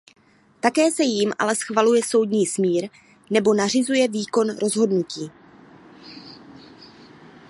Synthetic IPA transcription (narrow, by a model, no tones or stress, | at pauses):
t̪akɛːsɛjimʔa̰lɛsxvalujɛso̞wdɲiːsmiːɾ | nɛbo̞nar̝ɪzujɛviːko̞nɾo̞zɦo̞dnuciː